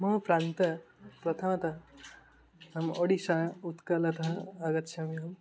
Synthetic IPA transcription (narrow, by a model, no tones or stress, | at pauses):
mɐpɾãnt̪ɐ | pɾɐt̪ʰɐmɐt̪ɐ | ɐmoɽisãut̪kɐlɐt̪ʰɐ̃ɐɡɐt̪t͡ʃʰɐmiɐm